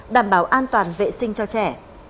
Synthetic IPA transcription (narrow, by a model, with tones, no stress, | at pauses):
ɗaː˧˩mɓaː˨˦wʔaː˧nt̪waː˨˩nvḛ˧˨sï˧ŋ̟t͡ɕɔ˧t͡ɕɛ˧˩